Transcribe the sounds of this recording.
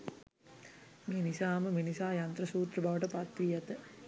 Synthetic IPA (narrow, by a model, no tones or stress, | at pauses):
meːnisaːməmenisaːjant̪ɾəsuːt̪rəbʱaʋəʈəpat̪ʋijat̪ə